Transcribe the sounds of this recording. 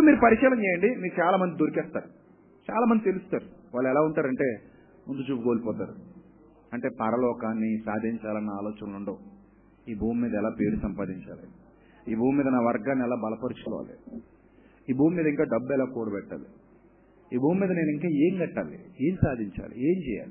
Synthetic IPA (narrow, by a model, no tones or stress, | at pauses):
pmiːɾupɐɾikʂɛːlɐɲt͡ʃɛːjɐɳɖimiːɾut͡ʃaːlaːmɐnd̪id̪oɾikɛːst̪aːɾu | t͡ʃaːlaːmɐnd̪it̪elusu̥t̪aːɾuʋaːɭːɛlaːuɳʈaːɾɐɳʈe̞ː | mund̪ut͡ʃuːpukoːlipɔːt̪aːɾu | ɐɳʈe̞ːp̪ɐɾɐlɔːkaːnːisaːd̪ʱiɲt͡ʃaːlɐnːaaːlɔːt͡ʃɐnɐluɳɖoː | iːbʱuːmmiːd̪ɐɛlaːpe̞ːɾusɐmpaːd̪iɲt͡ʃa̰ːli | iːbʱuːmmiːd̪ɐnaːʋɐɾɡaːnːiɛlaːbɐlɐpɐɾut͡ʃu̥kɔ̰ːʋa̰ːlḭ | iːbʱuːmːiːd̪ɐiŋkaːɖɐbːɛlaːkoːɽubɛʈːa̰ːli | iːbʱuːmːiːd̪ɐne̞ːniŋkaːeːŋɡɐʈːa̰ːlḭeːmisaːd̪ʱiɲt͡ʃa̰ːlḭe̞ːmt͡ʃɛːja̰ːli